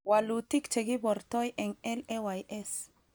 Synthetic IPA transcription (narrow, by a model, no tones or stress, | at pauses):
walut̪ikt͡ʃeɡiboɾt̪ojʔeŋelewajes